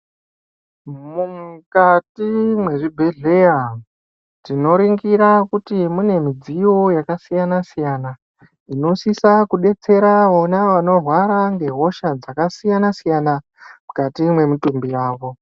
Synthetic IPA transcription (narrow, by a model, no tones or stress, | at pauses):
mumkatimwe̞ʐibʱe̞ɮe̞ja | tino̞ɾiŋɡiɾakutimune̞mid͡zijo̞jakasijanasijaːna | ino̞sisakuɗe̞t͡se̞ɾaʋonaʋano̞rwaɾaŋɡe̞ɦo̞ʃad͡zakasijanasijana | mukatimwe̞mutumbiraːʋo̞